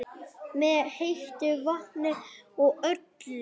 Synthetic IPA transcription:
mɛðhejht̪ʏvahnɪɔɣœt̪l

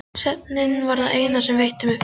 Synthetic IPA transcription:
sɛt̚nɪnvaɾðaeːjnasɛmvejht̪ʏmɪf

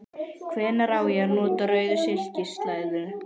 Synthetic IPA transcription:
kʰvɛːnaɾaːwjɛɾnɔːt̪aɾœːɥðʏsɪl̥cɪst̪lajðʏ

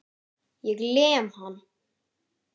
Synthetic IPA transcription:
jɛɣlɛːmhan

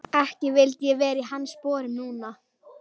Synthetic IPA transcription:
ɛhcɪvɪlt̪jɛvɛːɾiɦanːspɔːɾɪmnuːna

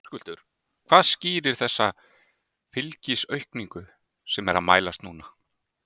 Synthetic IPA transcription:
kʏl̥t̪ʏɾ̥ | kʰv̥aːðsciːɾɪɾ̥θɛsːa | fɪlcisœɥhkniŋkʏ | sɛmɛɾaðma̰ːjlast̪nuːna

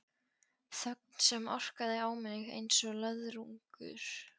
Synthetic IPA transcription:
θœk̚nsɛmɔ̰r̥kaðɪaːwmɛnɪɣḛjnsɔɣlœðɾuŋkʏ̰ɾ̥

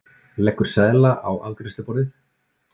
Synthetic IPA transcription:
lɛkːʏɾ̥sɛðlaʔawa̰wkɾɪsʏpɔɾɪθ

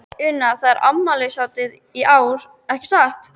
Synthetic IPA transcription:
ʏnːaθaðaɾʔa̰mːalɪsjawt̪ɪð | iʔaːwɾ̥ | ɛhcsaht̪

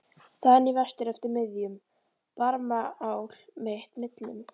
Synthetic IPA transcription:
θaðnivɛst̪ɪɾɛft̪ʏɾmɪðjʏm | paɾmaaːwl̥meht̪mɪt̪lʏm

